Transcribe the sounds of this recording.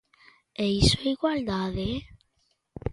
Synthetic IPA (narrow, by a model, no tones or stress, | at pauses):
eisoeiɣwald̪aðe